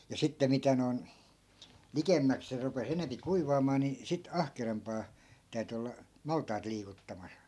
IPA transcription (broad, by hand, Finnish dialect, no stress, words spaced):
jɑ sitːe mitæ noi̯n likemːæk se rupes enempi kuiʋɑːmɑː ni sit ɑhkerɑmpɑː tæyty olːɑ mɑltˑɑit liːkutːɑmɑs